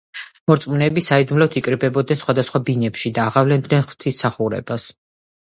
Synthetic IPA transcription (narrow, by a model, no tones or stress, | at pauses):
mɔɾt̪sʼmunɛːbisaid̪umlɔt̪ʰikʼɾibɛbɔd̪nɛnsχwad̪asχwabinɛpʃid̪aːʁavlɛnd̪nɛnχvt̪ʰisːaχuɾɛ̰bas